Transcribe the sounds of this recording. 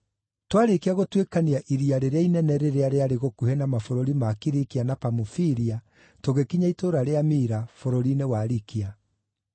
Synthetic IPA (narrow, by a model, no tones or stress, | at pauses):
twaɾekeaɣotwekaniaʔiɾiaɾeɾeainɛnɛɾeɾeaɾeaɾeɣokuhɛnamafoɾoɾimakiɾikianapamufiɾia | toɣekiɲaitoɾaɾeamiɾafoɾoɾinewaɾikia